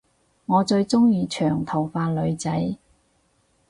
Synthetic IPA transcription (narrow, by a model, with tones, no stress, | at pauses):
ŋɔː˨˧t͡ʃɵ˧ɥt͡sʊ˥ŋjiː˧t͡ʃʰœː˨˩ŋt̪ʰɐ˨˩wfaː˧nlɵ˨˧ɥt͡sɐ˨˥j